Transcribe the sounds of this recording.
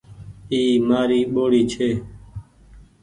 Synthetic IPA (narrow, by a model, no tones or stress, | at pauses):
iːmaːɾiːɓoːɽiːt͡ʃʰeː